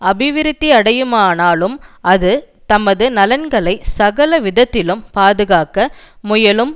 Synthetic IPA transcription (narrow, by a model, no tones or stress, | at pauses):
ɐbɪʋɪɾɪt̪ːiɐɽɐjɯmaːnaːlɯmɐðɯ | t̪ɐmɐðɯnɐlɐnɡɐɭɐɪsɐɣɐlɐʋɪðɐt̪ːɪlɯmpaːðɯɣaːkɐ | mʊjɐlɯm